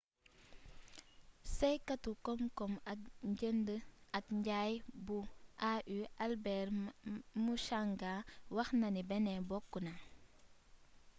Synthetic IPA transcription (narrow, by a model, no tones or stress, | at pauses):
sejkatukɔŋkɔmɐkɲɟəndəɐkɲɟajbuʔaʔyʔalbɛɾmuʃaŋɡawɐxnɐnibɛnɛbɔkːuna